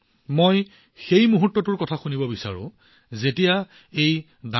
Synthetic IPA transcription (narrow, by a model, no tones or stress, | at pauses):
moj | xejmuɦutːɔtʊɹkɔtʰaxunibɔbisa̰ɹʊ̰̃ | zetija | ej | da